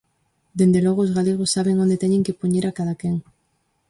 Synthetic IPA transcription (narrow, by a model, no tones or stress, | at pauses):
d̪end̪eloɣ̞oːzɣaleɣ̞osːaβeŋond̪et̪eɲẽŋkepuɲeɾakaðakeŋ